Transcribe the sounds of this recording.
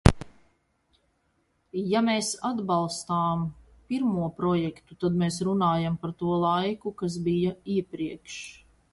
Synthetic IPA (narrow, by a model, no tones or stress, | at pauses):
jameːsad̪balˠst̪aːm | piɾmuɔpɾɔjɛkt̪ut̪ad̪meːsɾunaːjampaɾt̪uɔlˠajkukas̬bijaiɛpɾiɛkʃ